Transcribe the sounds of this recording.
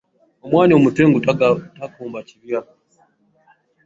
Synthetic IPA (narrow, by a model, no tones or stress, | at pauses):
omwaːniomuteŋɡuttakuːmbaciβja